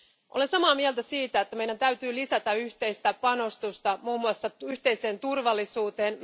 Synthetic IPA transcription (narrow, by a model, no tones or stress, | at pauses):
ʔole̞nsɑmɑːmiɛlt̪æsiːt̪æet̪ːæme̞jdænt̪æɥt̪yːlisæt̪æyçt̪e̞jst̪æpɑno̞st̪ust̪ɑmuːmːuɑsːɑyht̪e̞jse̞ːnt̪urʋɑlːisuːt̪eːn